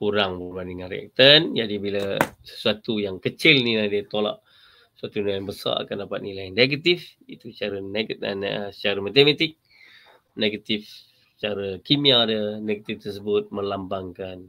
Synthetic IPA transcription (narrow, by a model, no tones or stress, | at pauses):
uɾaŋbəlandəŋãnrea̰k̚t̪ənd͡ʒadibilasə̥suat̪ujaŋkət͡ʃɪlnilahdiət̪ola̰ʔ | ə̥suat̪uniajaŋbəsa̰a̰kandapat̪̚nilajneɡat̪ifit̪ut͡ʃaɾaneɡ̰nsə̥t͡ʃaɾamat̪emat̪ɪk̚ | neɡat̪ifs | ssə̥t͡ʃaɾakimiadəneɡat̪ift̪ərsəbʊt̪̚mə̃lambaŋkan